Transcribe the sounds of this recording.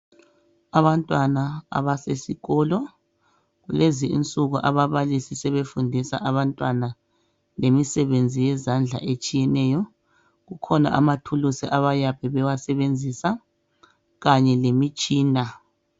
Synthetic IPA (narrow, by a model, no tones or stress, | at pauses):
aβantʼwanaa̰βasesiɣɔːlɔ | ɣuleziḭnt͡sʼuɣuʔaβaβalisisɛβefundʱisa̰ʔaβantʼwana | lemisɛβend͡zʱijɛzand͡ɮʱa̰ʔet͡ʃʼijɛnɛjɔ | ɣukʰɔna̰ʔamatʰulusiʔaβajapʰɛβɛwasɛβend͡zʱisa | ɣaɲɛlemit͡ʃʼiːna